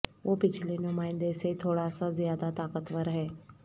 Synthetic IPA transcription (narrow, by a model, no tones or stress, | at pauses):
ʋopɪt͡ʃʰlinʊmaːɪnd̪eset̪ʰoɽasazjaːd̪at̪akət̪ʋəɾɦe